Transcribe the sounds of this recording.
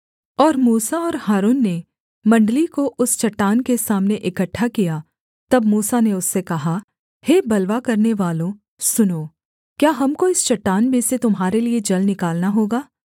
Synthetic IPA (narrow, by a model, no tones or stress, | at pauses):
ɔːɾmuːsaɔːɾhaːɾuːnːe | mɐ̃ɳɖəlikoʔʊst͡ʃɐʈːaːnkesaːmneʔɪkəʈʰːakijaː | t̪ɐbmuːsaneʊsːekɐɦa | heːbɐlʋakɐɾneʋaːlõ | sʊnoː | kjaːɦɐmkoɪst͡ʃɐʈːaːnmẽset̪ʊmɦaːɾelied͡ʒɐlnɪkaːlnaɦoːɡaː